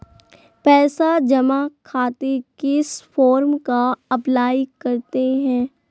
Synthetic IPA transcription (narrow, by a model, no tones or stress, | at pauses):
pɛːsad͡ʒɐmakʰaːt̪ekɪsfʰɔːɾmkaɐplaːikɐɾt̪eɦɛ̃ː